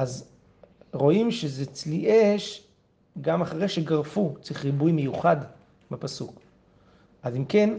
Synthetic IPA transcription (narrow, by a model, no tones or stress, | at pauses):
ʔaz | ʁo̞imʃezet͡sliʔeʃ | ɡamaχaʁe̞ʃeɡaʁfut͡siχʁibujmejuχad | mapasuk | ʔazimke̞n